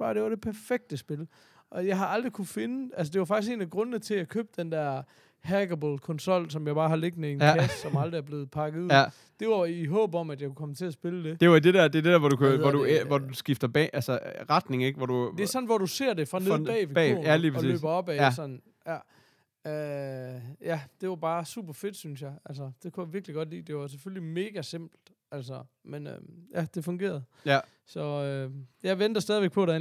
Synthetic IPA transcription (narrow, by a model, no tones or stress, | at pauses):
b̥ɑd̥e̝ʋɑ̈ɾ̥e̝pʰæɐfeɡ̥̚d̥əsb̥e̝l | ʔɒ̽jɑ̈ɪɦɑ̈ɑ̈ld̥ʁikʰufe̝nəælsəd̥e̝ʋɑ̈fɑɡ̥isɡe̝ːnæɡ̥ʁɔ̽nənət͡sʰe̝lækʰø̰ːb̥̚d̥end̥æɐ̰ | hæɡ̥əbɔlkʰɔ̽nsɒ̽l̰sɒ̽mjɑ̈ɪbɑ̈ːɦɑ̈le̝ɡ̥̚mee̝ːnkʰæssɒ̽mɑ̈ld̥ʁiæɐb̥le̝ːð̩ˠpʰɑ̈ɡ̥ð̩ˠuð̰ˠ | d̥e̝ɑiɦɔ̰̽ːb̥ɒ̽mædjɑ̈ɪkʰukʰɒ̽mət͡sʰe̝æsb̥e̝ləd̥e̝d̥e̝d̥ed̥æɐ̰d̥e̝d̥ed̥ɛɐʋɒdukʰuɒdueʋɒdusɡ̥ifd̥ɐb̥ɛ̰ʔælsəʁɑ̈d̥ne̝ŋeɡ̥ʋɒd̥u̥e̝æɐsɒ̽n̩ʋɒd̥use̝̰ɐ̰d̥e̝fʁɑ̈neðb̥ɛ̰ʋe̥̰æliːpʰʁɒlsḭːø̰ːb̥ɐɒ̽b̥ɛsɒ̽nn̩ | jæ | ø | jæd̥e̝ʋɑ̈b̥ɑ̈ːsṵb̥ɐfe̝d̥synsjɑ̈ɪæl̰sɐd̥e̝kʰujaʋiɐɡ̥liɡ̥ɒ̽d̥lḭːd̥e̝ʋɑs̬eføllime̝ːɡ̥æse̝m̰b̥l̩d̥ | æl̰sɐmenøjæd̥e̝fɔ̽ŋɡ̥e̝̰ːɐð̩ˠ | sɒ̽øjɑ̈ɪʋend̥ɐsd̥ɛːðˠiʋeɡ̥̚pʰɒ̽ɾɑ